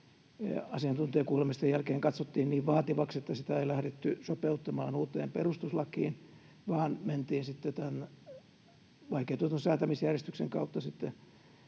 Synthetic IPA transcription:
ɑsiɑnt̪unt̪iɑkuːlemist̪ejælkeːŋkɑt̪sot̪ːiːnniːʋʋɑːt̪iʋɑkset̪ːæsit̪æeilæhɾet̪ːysopeut̪ːɑmɑːnuːt̪ːˑḛːmperust̪uslɑkiːn | ʋɑːnment̪iːnsit̪ːet̪æn | ʋɑikeːt̪uot̪onsæːt̪æmisjærjest̪ykseŋkɑut̪ːɑsit̪ːe

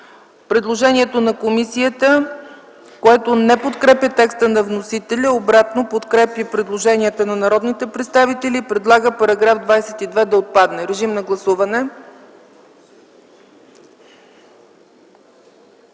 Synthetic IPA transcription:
pɾɛd̪lˠoʒɛniɛt̪onɐkomisiət̪ə | koɛt̪onɛpot̪kɾɛpʲjət̪ɛkst̪ənɐvnosit̪ɛlʲəobɾat̪nopot̪kɾɛpjəpɾɛd̪lˠoʒɛniət̪ənɐnɐɾɔd̪nit̪ɛpɾɛt̪st̪avit̪ɛlʲiːpɾɛd̪lˠaɡəpɐɾɐɡɾafd̪vajsɛt̪id̪vɛd̪ɐot̪̚pad̪nɛɾɛʒimnɐɡlˠɐsuvɐnɛ

